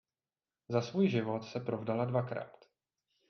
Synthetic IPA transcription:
zasvuːjʒɪvo̞t̪sɛpɾovdaladvakɾa̰ːt̪

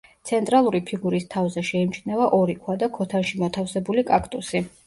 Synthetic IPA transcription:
t̪sʰɛnt̪ʼɾalˠuɾipʰiɡuɾist̪ʰavzɛʃɛimt͡ʃʰnɛvaʔɔɾikʰwad̪akʰɔt̪ʰanʃimɔt̪ʰafsɛbulikʼakʰʼt̪ʼusi

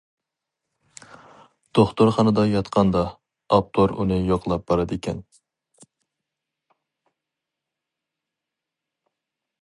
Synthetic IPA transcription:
d̪̥oχt̪oɾχɑnɨd̪ɑjɑt̪qʰɑnd̪ɑː | p̚t̪ʰoɾunɨjoqʰlˠɑp̚b̥ɑɾɑd̪ɪkʲʰɛn

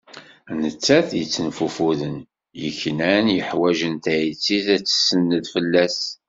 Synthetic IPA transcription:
nət͡sːæθjət͡sːənfufuðən | jəçːnænjəħwæʒənt̪æjit͡sːiθæt͡sːə̥sːənːəðfəlːæs

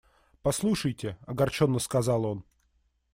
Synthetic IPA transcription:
pɐslˠuʂəjtʲɪɐɡɐrt͡ɕonːəskɐzɑlˠo̞n

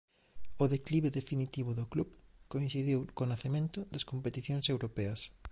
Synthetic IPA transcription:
oðekliβeðefinit̪iβ̞ʊðoklupkoin̟θiðiwkonaθemẽnt̪ʊd̪ɐskompet̪iθjoŋsewɾopɛɐs

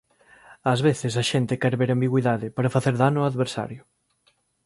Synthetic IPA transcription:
azβeθɪs̬aʃent̪ɪkɛɾβeɾambiɣwiðaðɪpaɾafaθeɾðanʊaðβeɾsa̰ɾjʊ

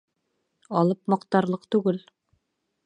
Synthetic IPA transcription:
ɑlˠɤpmɑqt̪ɑɾlˠɤqt̪ʉɡɘl

